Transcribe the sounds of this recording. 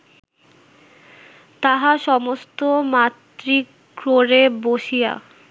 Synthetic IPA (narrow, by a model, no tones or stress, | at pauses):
t̪aɦaʃɔmost̪omat̪ɾi | kɾoɾeboʃia̰